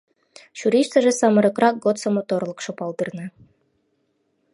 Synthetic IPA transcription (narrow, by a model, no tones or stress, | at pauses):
ɕuɾʲiʃt̪ə̆ʒĕsɑmɤ̆ɾɤ̆krɑk̚ɡot̪somot̪orlˠɤ̆kʃŏpɑlˠd̪ɯrnɤ̆